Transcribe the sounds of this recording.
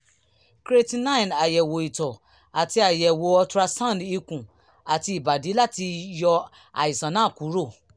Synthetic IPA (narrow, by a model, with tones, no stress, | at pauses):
kɾe˦ti˦na˦ĩ˨na˨jɛ˨wo˨i˨tɔ˨ | a˨ti˧˦a˨jɛ˨wo˨ɔ˧tu˧ɾa˧sã˦˨di˧kũ˨ | a˨ti˧˦i˨ba˨di˨˦la˦ti˧jɔ˧ | a̰˨i˨sã˨nã˨˦˨ku˨˦ɾo˦˨